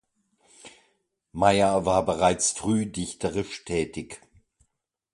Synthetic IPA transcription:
maɪɐvaːɐbəʁaɪt͡sfʁ̥yːdɪçtʰəʁɪʃtʰɛːtɪç

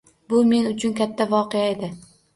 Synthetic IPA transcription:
bʊme̞nʊt͡ʃʰʊnkʲʰat̪ʰːavɒqejae̞d̪ɪ

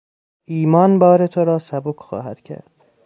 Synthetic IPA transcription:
ʔiːmɒːnbɒːɾet̪ʰoɾɒːsæbokʰxɒ̰ːɦæd̪̥cʰæ̰ɾd̪̥

